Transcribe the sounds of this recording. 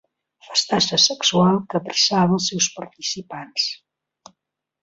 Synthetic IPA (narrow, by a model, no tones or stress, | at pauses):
fəst̪asəsəksualˠkəpɾəsaβəːlˠsɛwspəɾt̪isipans